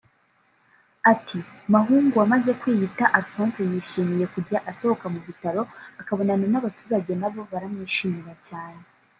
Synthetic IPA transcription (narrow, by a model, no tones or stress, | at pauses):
atʰimaɦuːŋɡuamaze̞kwiːhitaʔaɾufɾaːnsejiːʃiːmije̞kuɾɟaʔaso̞ho̞kamuβitaɾo̞akaβo̞nananaβatu̥ːɾaɟe̞naβo̞βaɾamɲiːʃiːmiɾacaːne